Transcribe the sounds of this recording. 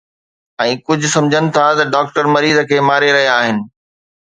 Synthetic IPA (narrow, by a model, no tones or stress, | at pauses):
ɛ̃ːkʊd͡ʑʱʊsɐ̃md͡ʑʱənɪ̆t̪ʰat̪ɐɖaːk̚ʈəɾmɐɾiːzəkʰeːmaːɾeɾɐɦijaːɦɪnɪ̆